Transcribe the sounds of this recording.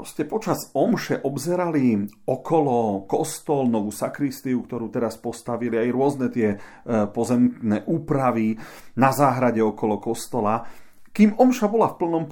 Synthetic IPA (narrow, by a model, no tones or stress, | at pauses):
ɾɔscɛpɔt͡ʃazɔmʃɛʔɔbzɛɾaliɔkʰɔlɔkɔst̪ɔlnɔʋuːsakɾist̪iukt̪ɔɾuːt̪ɛɾaspɔst̪aʋiliajɾʊɔznɛt̪ɪɛ | pɔzɛmknɛːʔuːpɾaʋinazaːɦɾaɟɛɔkɔlɔkɔst̪ɔla | kiːmɔmʃabɔlafpl̩nɔm